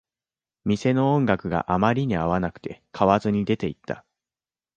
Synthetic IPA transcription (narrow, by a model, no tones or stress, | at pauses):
mʲise̞no̞õŋɡakɯ̟ɡa̰ʔamaɾʲiɲ̟iaβanakɯ̟̥t̪e̞kʰaβazɨɲ̟id̪e̞t̪e̞it̪ʰːa̰